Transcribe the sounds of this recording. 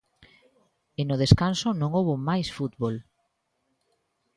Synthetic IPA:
ɪnʊð̞eskansonõŋowβomajsfut̪βol

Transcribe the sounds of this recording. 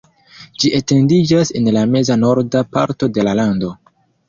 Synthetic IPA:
d͡ʒiʔete̞ndid͡ʒase̞nlame̞zano̞ɾdapa̰ɾto̞de̞lalando̞

